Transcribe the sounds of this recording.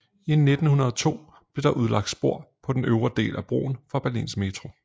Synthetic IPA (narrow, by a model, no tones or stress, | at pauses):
ine̝d̥n̩hunɐð̞ˠt͡sʰo̝̰ː | b̥le̝ɾ̥ɑ̈ʔuð̞ˠlɑ̈ɡ̥̚d̥sb̥o̝ɐ̰pʰɒ̽d̥enøʊʁɐd̥e̝̰ːlʔæb̥ʁo̝̰ːn̩fɑ̈b̥æɐlḭːnsɡ̥me̝t͡sʰʁo̝